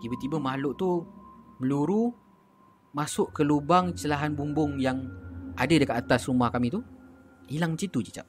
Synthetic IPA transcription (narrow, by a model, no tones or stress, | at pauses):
t̪ibət̪ibəmaɦlʊʔt̪uməluɾu | masʊʔkəlubaŋt͡ʃəlaɦanbumbʊŋjaŋadədəkat̪at̪asrumahkamĩt̪u | ilaŋmət͡ʃit̪ud͡ʒi̥t͡ʃa̰ʔ̚